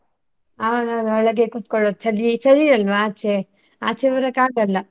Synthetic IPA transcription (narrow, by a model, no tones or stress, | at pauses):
ananɔɭɐɡekut̪̚koɭod̪ut͡ʃɐɾit͡ʃɐɾiɐlʋaːt͡ʃe | a̰ːt͡ʃeʋɐɾɐkaːɡɐlːɐ